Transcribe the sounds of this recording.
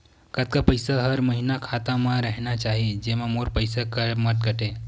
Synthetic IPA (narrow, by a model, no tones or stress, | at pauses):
kət̪̚kapəjsaɦəɾməɦinakʰat̪ãmãɾəɦnat͡ʃaɦid͡ʒemãmoɾpəjsakəməʈ̪̚ɡəʈe